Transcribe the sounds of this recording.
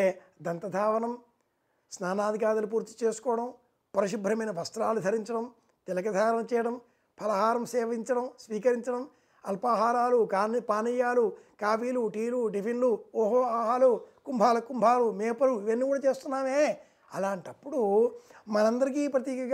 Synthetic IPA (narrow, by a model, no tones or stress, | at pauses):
d̪ɐnt̪ɐd̪ʱaːʋɐnɐm | snaːnaːd̪ʱikaːd̪ɐlup̬uːɾt̪i̥t͡ʃeːsu̥kɔːɐɽɐm | pɔɾɐʃibʱɾɐmɐjnɐʋɐst̪ɾaːlud̪ʱɐɾiɲt͡ʃɐɽɐm | t̪ɛlɐkɐd̪ʱaːɾɐnt͡ʃɛːjɐɽɐm | pʰɐlɐɦaːɾɐmsɛːʋɐiɲt͡ʃɐɽɐmsʋiːkɐɾiɲt͡ʃɐɽɐm | ɐlpaːɦaːɾaːlukːpaːnɐjːaːlukaːpiːluʈiːluɖipʰinluɔːɦoːaːɦaːlukumbʱaːlɐkːumbʱaːlumeːpɐluiʋɐnːiːkuːɽaːt͡ʃeːst̪unːaːmeː | ɐlaːɳʈɐpːuɽumɐnɐnd̪ɐɾikiːpɾɐt̪iːkɐ